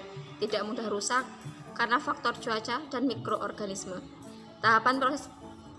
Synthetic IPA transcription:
t̪idaʔmudahrusakː | aɾənafak̚t̪ɔrd͡ʒ̥uat͡ʃadanmikɾoʔɔrɡ̥anismə | t̪aɦapanpɾɔsɛs

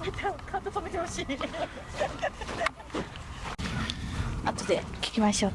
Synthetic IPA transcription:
at̪ak̪ʰãnt̪ot̪omet̪ehoɕiː | at̪od̪ekʲi̥kʲimaɕo̞ː

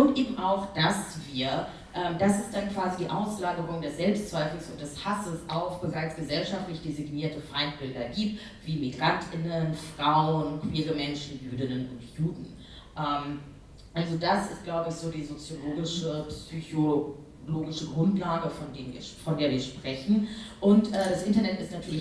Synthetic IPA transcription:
ʔʊntʔeːbm̩ʔaʊxd̥asv̥iːɐ | ʔɛːmd̥asɪst̚d̥ankv̥aːzidiːʔaʊslaːɡəʁʊŋdɛsz̥ɛlpstt͡sv̥aɪfl̩sʊnt̚d̥ɛshasəsʔaʊxb̥əʁaɪt͡sɡ̥əzɛlʃaftlɪçd̥eziɡniːɐtəfaɪnt̚b̥ɪldɐɡiːp̚t | v̥iːmiɡʁantʰɪnənfʁ̥aʊnkʰv̥iːʁəmɛnʃn̩jyːdɪnənʊ̰ntjuːdn̩ | ʔɛːm | ʔalzodasɪst̚ɡ̥laʊbəɪçz̥oːdiːzot͡sjoloːɡɪʃəpsyço | loːɡɪʃəɡʁʊntlaːɡəfɔndeːnvḭːɐfɔndeːɐviːɐʃpʁ̥ɛçn̩ʔʊntʔɛːdasʔɪntɐnɛtɪstnatʰyːɐlɪç

